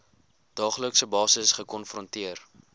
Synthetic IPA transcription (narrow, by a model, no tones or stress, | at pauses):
d̥ɑːχləksəbɑːsəsχəkɔnfrɔntiər